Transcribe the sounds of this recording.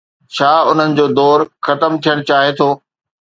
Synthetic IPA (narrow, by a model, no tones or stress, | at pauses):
t͡ɕʰaːʊn̤ənɪ̆d͡ʑoːd̪ɔːɾxɐt̪əmt̪ʰijəɽ̃t͡ɕaːɦet̪ʰoː